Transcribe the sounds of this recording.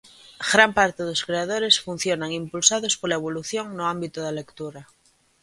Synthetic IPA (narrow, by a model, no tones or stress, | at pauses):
ɡɾampaɾt̪eðoskɾeaðoɾe̞sfun̟θjonaŋimpulsaðospolaeβ̞oluθjoŋnoambit̪oðalekt̪uɾa